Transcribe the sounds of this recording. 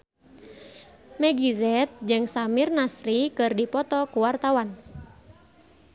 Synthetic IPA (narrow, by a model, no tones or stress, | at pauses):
mɛɡizɛt̪̚d͡ʒɨŋsamirnasɾikɨrdipɔt̪ɔkuwart̪awan